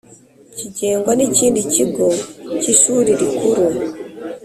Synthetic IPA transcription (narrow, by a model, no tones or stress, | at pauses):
cid͡ʒeŋɡwanit͡ʃindit͡ʃiɡɔt͡ʃiʃuɾiɾikuɾu